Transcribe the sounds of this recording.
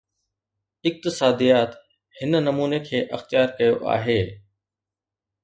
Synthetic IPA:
ɪk̚t̪ɪsaːd̪ijaːt̪ | hɪnnɐmuːnekʰeːʔɐxt̪ɪjaːɾkɐjoʔa̰ːɦeː

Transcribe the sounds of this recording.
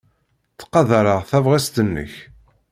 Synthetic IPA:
t͡sːqːɑðəɾəʁθævʁæst̪ənːə̰ç

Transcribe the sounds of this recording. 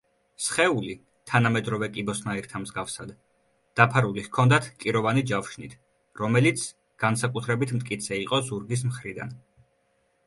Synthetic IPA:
sχɛuli | t̪ʰanamɛd̪ɾɔvɛkʼibɔsnaiɾt̪ʰamzɡafsad̪ | d̪̥apʰaɾulihkʰɔnd̪at̪ʰkʼiɾɔvanid͡ʒafʃnit̪ʰ | ɾɔmɛlit̪sʰ | ɡ̥ansakʼut̪ʰɾɛbit̪ʰmt̪ʼkʼit̪sʰɛiqʼɔzuɾɡis̬mχɾid̪a̰n

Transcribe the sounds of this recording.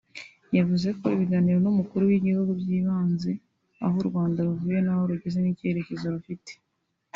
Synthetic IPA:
javuze̞ko̞iβiɡaniːɾo̞numukuɾuwiɟihuɡubɟiːβaːnze̞ | a̰ɦoɾɡwaːndaɾuvuːje̞naho̞ɾuɟe̞ze̞nicie̞ɾe̞ce̞zoɾufite̥

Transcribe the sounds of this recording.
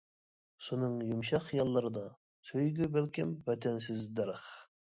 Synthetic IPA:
sunɨŋjumʃɑχjɑlˠːɨɾɨd̪ɑ | søjɡʲybɛlkʲɪmvɛt̪ʰɛnsɪzd̪ɛɾəχ

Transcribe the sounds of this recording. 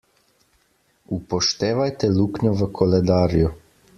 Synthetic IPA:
upoʃt̪eːʋajt̪ɛlukɲɔʋəkʰolɛd̪aːɾju

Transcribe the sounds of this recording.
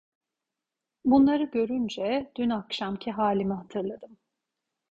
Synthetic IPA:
bunlˠaɾɯɟø̞ɾynd͡ʒɛd̪̥ynakʃamcʰiɦaːlʲimiɦat̪ʰɯɾlˠad̪ɯm

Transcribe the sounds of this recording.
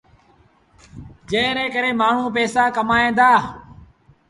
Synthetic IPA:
d͡ʒẽːnẽːkəɾeːmaːɳ̤ũːp̬ɛːsaːkəmaːĩːnd̪aː

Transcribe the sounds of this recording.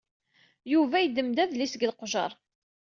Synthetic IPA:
juvæjəd̪əmd̪æðlisəɡəlqʒɑ̰ɾˤ

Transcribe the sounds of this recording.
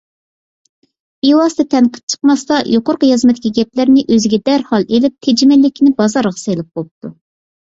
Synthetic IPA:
iwɑst̪ɨt̪ʰɛnqʰə̥p̚t͡ʃʰə̥q̚mɑst̪ɑjʔoqoɾqəjɑzmɛt̪ʰːɪ̥kʲiɡʲɛplɪɾnɪʔøzɪɡʲɛd̪æɾhɑlˠelɪp̚t̪ʰed͡ʒimɪlːɪkʲʰnɪbɑzɑɾʁɑselɪp̚bolˠɨp̚t̪ʰu

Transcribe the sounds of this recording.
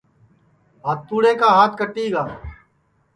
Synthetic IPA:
ɦaːt̪ːuːɽeːkaːɦaːt̪ʰkəʈːiːɡaː

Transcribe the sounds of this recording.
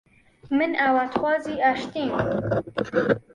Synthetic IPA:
mɨnawat̪xwɑːziːaʃt̪iːm

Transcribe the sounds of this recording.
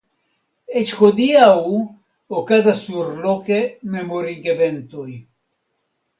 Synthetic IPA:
et͡ʃxod̪iaw | okad̪asuɾlokememoɾiɡevent̪oj

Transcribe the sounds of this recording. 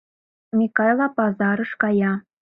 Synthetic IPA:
mʲikɑjlˠɑpɑzɑɾɤ̆ʃkɑjɑ

